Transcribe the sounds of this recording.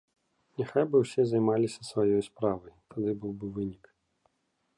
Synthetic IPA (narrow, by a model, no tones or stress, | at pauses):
nʲaxajbɨwsʲɛzɐjmalʲisʲɐsvajɔjspɾavɐjt̪ʰad̪ɨbɨwbɨvɨnʲik